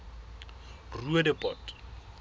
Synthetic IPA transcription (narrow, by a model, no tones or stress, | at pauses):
ruedɪpʼɔtʼ